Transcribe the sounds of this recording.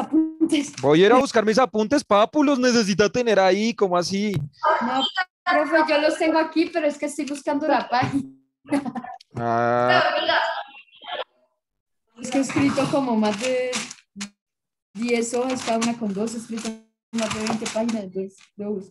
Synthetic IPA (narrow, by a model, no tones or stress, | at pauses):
apunt̪esbojeɾaβuskaɾmis̬apunt̪espapulosnes̬e̞s̬it̪at̪eneɾaikomoasino | ɾofed͡ʒolost̪e̞ŋɡoakipe̞ɾoeskest̪ojβuskand̪olapaxi | naaia | eskeeskɾit̪okomo̞mazd̪e̞ | d̪je̞soheskaðaunako̞nd̪o̞s̬eskɾit̪o | mazd̪eβejnt̪e̞paxinaet̪wesloβusko